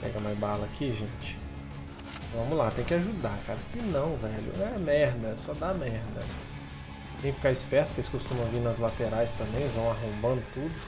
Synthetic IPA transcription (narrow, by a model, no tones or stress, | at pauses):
pɛ̰ɡɐmabalɐakʰiʒẽt͡ʃɪ̥ | vɐ̃mʊlat̪ẽj̃kɪaʒud̪aɾkaɾɐsɪnɐ̃w̃vɛʎʊ̰ɛmɛɾd̪ɐsɔd̪amɛɾd̪ɐ | t̪ẽj̃kfi̥kaɾɪspɛɾt̪ʊpkelɪskost̪ũmɐ̃w̃vinɐzlat̪eɾajst̪ɐ̃bẽj̃zvɐ̃w̃aɦõmbɐ̃nd̪ʊt̪ud̪ʊ